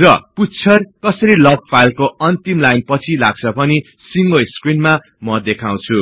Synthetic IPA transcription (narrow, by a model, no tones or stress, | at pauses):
rʌputt͡sʰʌrkʌsʌɾilʌɡ̚pʰajlkoʌnt̪imlajnpʌt͡sʰilaɡ̚t͡sʰʌpʌni | siŋɡoskrinma | mʌd̪ekʰaw̃t͡sʰu